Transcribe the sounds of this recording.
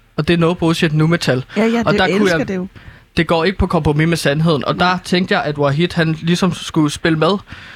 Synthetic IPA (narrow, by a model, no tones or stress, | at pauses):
ɒ̽d̥e̝nɔ̽ːðˠb̥ʁoːsied̥numet͡sʰælʔɒ̽d̥ɑ̈kʰujjɑ̈ɪd̥e̝ɡ̥ɒ̰ːe̝ɡ̥əpʰɒ̽kʰɒ̽mpʰʁomimesænɦe̝ðˠn̩ʔɒ̽d̥ɑ̈t͡sʰeŋ̰ɡd̥əjɑ̈ɪæd̥wɑɦid̥hænlisɒ̽msɡ̥usb̥e̝ləmeð̞ˠ